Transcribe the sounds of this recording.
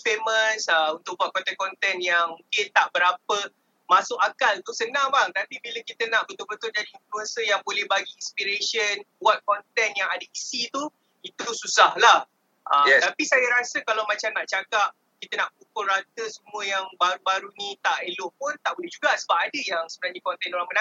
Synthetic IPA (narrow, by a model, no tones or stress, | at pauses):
feməsəunt̪ʊk̚buat̪̚kɔnt̪ɛnkɔnt̪ɛnjaŋmũkɪnt̪aʔbəɾapə | masʊk̚akalt̪usənãŋbaŋamp̪ibiləkit̪ənaʔbənt̪ʊʔ̚bət̪ʊld͡ʒadiːnfluɛnsəjaŋbolɛhbaɡiinspiɾeʃənbuat̪̚kɔnt̪ɛnjaŋadəisit̪u | it̪ususahlah | ʔət̪apisajaɾasəkalawmãt͡ʃamnaʔt͡ʃakap̚ | kit̪ənaʔpukʊlrat̪əsəmũəjaŋbaɾubaɾunĩt̪aʔelʊʔpʊnt̪aʔbolɛhd͡ʒuɡasəbap̚adəjaŋsəbənarɲakɔnt̪ɛnoɾaŋbəna